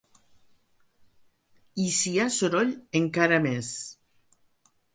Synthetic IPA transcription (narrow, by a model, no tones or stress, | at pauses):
isiasoɾoʎeŋkaɾames